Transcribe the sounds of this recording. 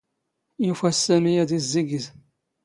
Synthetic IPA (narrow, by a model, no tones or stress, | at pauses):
jufæsːæmijæðizːiɡəz